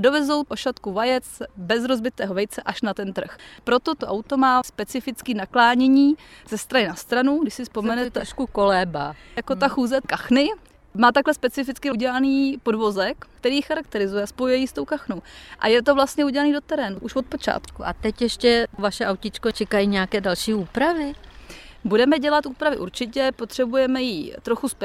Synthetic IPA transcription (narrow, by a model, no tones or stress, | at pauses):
do̞vɛzowpoʃat̪kuvajɛt͡sbɛzɾo̞zbɪt̪ɛːɦo̞vɛjt͡sɛʔaʃnat̪ɛnt̪r̩xpɾo̞t̪o̞t̪oʔawt̪o̞maːspɛt͡sɪfɪt͡skiːnaklaːɲɛɲiːz̥ɛst̪ɾanɪnast̪ɾanuɡdɪʃsɪspo̞mɛnɛt̪ʃkukolɛːbajakot̪axuːzɛkaxnɪ | maːt̪aklɛspɛt͡sɪfɪt͡skɪuɟɛlaniːpo̞dvo̞zɛkkt̪ɛɾiːjxaɾak̚t̪ɛɾɪzujɛaspo̞jɛjiːst̪o̞wkaxnowʔa̰jɛt̪̬o̞vlast̪ɲɛuɟɛlaniːdo̞t̪ɛɾɛːnuʔuʃvo̞t̪̚po̞t͡ʃa̰ːt̪kuʔa̰t̪ɛcjɛʃcɛvaʃɛʔawcɪt͡ʃkot͡ʃɛkajiɲɛakɛːdalʃiːuːpɾavɪ | budɛmɛɟɛlat̪ʔuːpɾavɪʔṵɾt͡ʃɪcɛpo̞t̪r̥ɛbujɛmɛjit̪ɾo̞xusp